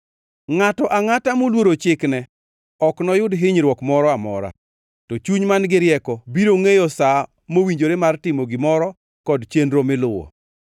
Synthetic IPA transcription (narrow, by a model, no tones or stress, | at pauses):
ŋatɔʔaŋatamolwoɾot͡ʃɪknɛ | ɔknɔjʊdɦɪɲɾwɔkmɔɾɔamɔ̰ɾa̰ | tɔt͡ʃuɲmanɡɪɾjɛkɔbiɾoŋejɔsa | mowiɲd͡ʒoɾemartɪmoɡɪmɔɾɔ | kɔdt͡ʃendɾomɪlʊwɔ̰